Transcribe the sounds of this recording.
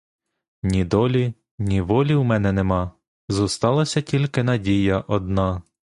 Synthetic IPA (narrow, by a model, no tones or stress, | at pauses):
nʲid̪ɔlʲi | nʲiʋɔlʲiwmɛnɛnemɑ | zust̪ɑlˠɐsʲɐtʲilʲkɪnɐdʲijɐʔɔd̪nɑ